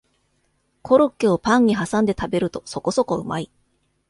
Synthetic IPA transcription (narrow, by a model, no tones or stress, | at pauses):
kʰo̞ɾokːeo̞pãɲ̟iɦasãnd̪e̞t̪abe̞ɾɯ̟t̪o̞so̞ko̞so̞ko̞ɯ̟ma̰i